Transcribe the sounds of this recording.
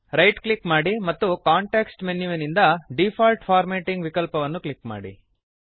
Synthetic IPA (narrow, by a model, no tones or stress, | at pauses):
ɾɐjʈklikmaːɽimɐt̪ːukaːɳʈeːksʈmenːuʋɐnind̪ɐɖifʰaːlʈfʰaːɾmeːʈiŋɡʋikɐlpɐʋɐnːuklikma̰ːɽḭ